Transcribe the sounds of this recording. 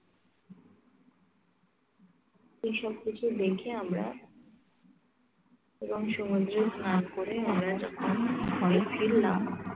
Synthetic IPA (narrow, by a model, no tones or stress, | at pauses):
eʃɔb̚kit͡ɕʰud̪ekʰiamɾa̰ | eɾoŋʃomud̪ɾeknakoɾeamɾad͡ʑɔ̰kʰonɦɔefiɾːa̰m